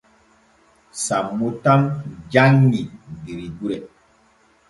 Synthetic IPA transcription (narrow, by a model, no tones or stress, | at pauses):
samːutamd͡ʒaŋnidiɾiduɾɛ